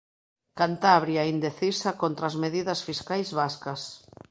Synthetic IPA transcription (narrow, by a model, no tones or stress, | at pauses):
kant̪aβɾjaind̪eθisɐkont̪ɾaːzmeðiðɐsfiskajzβaskɐs